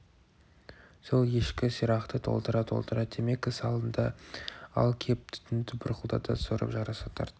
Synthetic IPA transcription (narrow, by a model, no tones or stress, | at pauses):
so̞lˠje̞ʃkʲɪsijɾɑqt̪ət̪ʰo̞̰lˠt̪əɾɑt̪ʰo̞̰lˠt̪əɾɑt̪̚d̪eme̞kʲɪsɑlˠənd̪ɑɑ̰lˠkʲʰe̞p̚t̪ʰʏ̥t̪ɪnd̪ɪbɪɾqʊlˠd̪ɑ̰d̪ɑsoɾə̰pʒɑɾɑsɑt̪ʰɑ̰ɾt̪ə